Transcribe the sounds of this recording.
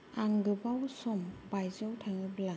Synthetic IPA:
aŋɡɯbawsɔmbajzɔwtʰaŋɯbla

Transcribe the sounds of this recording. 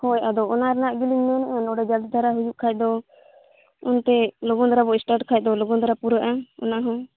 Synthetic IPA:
hɔjad̪ɔɔnaɾɛnaʔɡiliŋɲɔnʔɛnɔɖɛd͡ʒald̪id̪ʱaɾaɦujuʔkʰac̚d̪ɔ | unt̪ɛlɔɡɔnd̪aɾabɔisʈaɾʈkʰac̚ˀd̪ɔlɔɡɔnd̪aɾapuɾəʔaɔ̰naɦɔ̃

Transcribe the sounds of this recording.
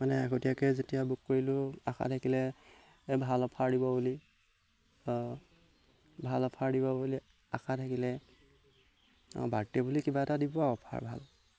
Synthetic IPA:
manɛakotijakɛzetijabukkoɹilʊaxʰa̰tʰakilɛ | bʱalɔpʰaɹdibɔbuli | bʱalɔpʰaɹdibɔbuli | a̰xʰatʰakilɛ | baɹtɛbulikibaɛtadibaɔpʰa̰ɹbʱa̰l

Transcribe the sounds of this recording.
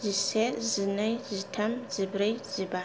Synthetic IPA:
zisezinajzitʰamzibɾaziba

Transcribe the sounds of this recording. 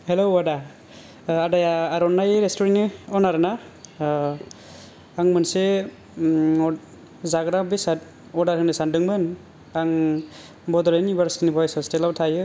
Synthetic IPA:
heloada | adajaːɾɔnːajɯɾestɔɾenɯɔnaɾɯna | aŋmɯnse | ɔ | zaɡɾabesa | ɔdaɾɯnɯsandɯŋmɯn | aŋ | bɔdɔɾanibaɾstinibɔjsɔstelabtʰajɯ

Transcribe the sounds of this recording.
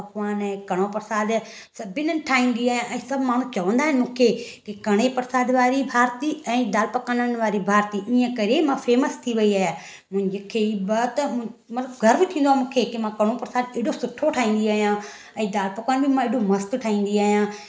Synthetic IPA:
ɐkʋaːnɛ̃kɐɽ̃opɐɾsaːd̪ | sɐbʱɪnənɪʈʰaːĩːnd̪iaːɦijãʔɛ̃ːsɐbʱmaːɳ̤ũt͡ʃɐʋə̃nd̪aːɦɪnmũːkʰekikɐɽ̃epɐɾsaːd̪ʋaːɾibʱaːɾt̪iɛ̃ːd̪aːlpɐkanənʋaːɾibʱaːɾt̪iʔiːə̃kɐɾemãːfeːməst̪ʰiʋɐiaːja | mʊ̃ɦɪ̃ɲd͡ʒekʰeibɐt̪mɐt̪ləbɡʱɐɾbɪt̪ʰĩːnd̪oaːmũːkʰekimãkɐɽ̃opɐɾsaːd̪eːɽosʊʈʰoʈʰaːĩːnd̪iaːɦijãː | ɛ̃ːd̪aːlpɐkaːnbʱimãeɖomɐst̪ʈʰaːĩːn̆d̪iaːɦijãː

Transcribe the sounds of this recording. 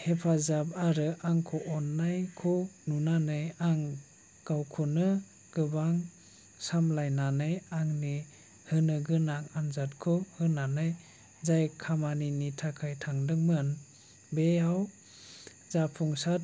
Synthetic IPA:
hepʰazab̚aɾɯʔaŋkʰɔʔɔnːajkʰɔnunanɯjaŋ | ɡ̥awkʰɔnɯ | ɡ̥ɯbaŋ | samlajnanɯjaŋni | hɯnɯɡɯnaŋanzat̚kʰɔhɯnanɯj | zajkʰamaninitʰakʰajtʰaŋdɯŋmɯn | beaw | zapʰuŋsat̚

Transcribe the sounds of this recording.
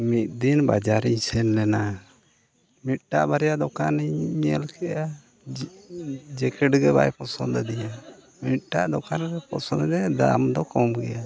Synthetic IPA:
mit̪̚ˀd̪inbad͡ʒaɾiɲsɛnlɛna | mit̪̚ʈaʔbaɾɛjaʔd̪ɔkaniɛlkɛjʔa | d͡ʒɛkɛʈɡɛba̰jpɔsɔnd̪d̪ija | mit̪̚ʈaʔd̪ɔkanɾɛpɔsɔnd̪dɛd̪a̰md̪ɔkɔmɡɛja

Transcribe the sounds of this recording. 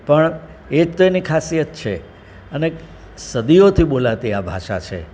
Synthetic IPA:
pəɳ | ed͡ʒt̪oenikʰasijət̪̚t͡ʃʰḛ | əne | səd̪iot̪ʰiɓolat̪iabʱa̰ʃat͡ʃʰḛ

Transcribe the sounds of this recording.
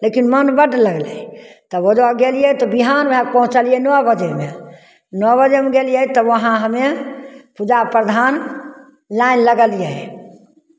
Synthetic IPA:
lekinmənbəɖləɡlɛ̰t̪ɔod͡ʒaɡelijɛt̪ɔbiɦanbʱɛk̚pəɦũt͡ʃəlijɛnɔbəd͡ʒeme | nbəd͡ʒemeɡelijɛt̪ɔʋəɦãɦəmepud͡ʒapɾəd̪ʱan | lainləɡəljɛj

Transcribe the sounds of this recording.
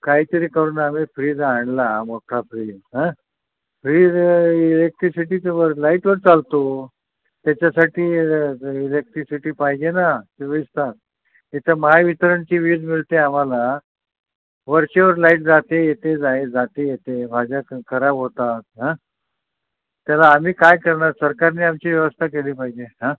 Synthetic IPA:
kaɦiːt̪əɾiːkəɾuːnam̤ifɾiːd͡zaɳlamoʈʰafɾiːd͡zɦã | fɾiːd͡zilek̚ʈɾisiʈiːt͡səʋəɾlaiʈʋəɾt͡salt̪o | t̪jat͡ɕjasaʈiː | ilek̚ʈɾisiʈiːpaɦid͡ʑenat̪eʋəist̪at̪̚ | it̪ʰəmaaʋit̪əɾəɳt͡ɕiːʋid̪miɭt̪eam̤ala | ʋəɾɕeʋəɾlaiʈ̚d͡zat̪ejet̪ed͡zaed͡zat̪ejet̪ebʱad͡ʑakʰəɾabɦot̪at̪̚ɦã | t̪ːjalaːm̤iːkajkəɾɳaɾsəɾkaɾniːamt͡ɕiːʋjəʋəst̪ʰakeliːpaɦid͡ʑeɦã

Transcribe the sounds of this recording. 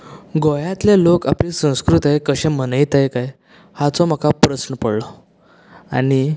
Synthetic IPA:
ɡojãt̪lelokapliːsə̃w̃skɾut̪aekəɕẽm̤ənəjt̪ajkaj | hat͡sɔm̤akapɾəsnəpəɽlɔ | a̰ni

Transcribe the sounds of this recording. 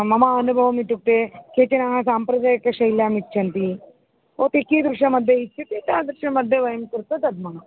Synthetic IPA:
mɐmaɐnubʱɐʋɐmiʈːuk̚t̪ekeːt͡ʃɐnaːɦɐsaːmpɾɐd͡ʒaːjɐkːɐʃɐjljaːmit͡ʃːʃʰɐnt̪i | oːt̪ekiːd̪ɾuʃɐmɐd̪ʱːjɐit͡ʃt͡ʃʰːɐt̪it̪aːd̪ɾuʃɐmɐd̪ʱjɐʋɐjɐmkuɾt̪ɐt̪ɐd̪̚mɐ

